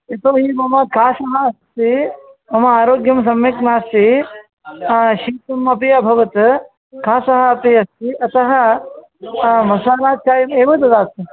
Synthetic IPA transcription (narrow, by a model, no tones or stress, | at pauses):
et̪oːɦiːmɐmɐkaːsɐɦɐɐst̪i | mɐmɐaːɾoːɡjɐms̬ɐmʋeknaːst̪i | ʃiːt̪ɐmɐpijabʱɐʋɐt̪ | kaːsɐɦɐɐpijɐst̪iʔɐt̪ɐɦɐ̆ | mɐsaːnaːt͡ʃaːjɐmeːʋɐd̪ɐd̪aːi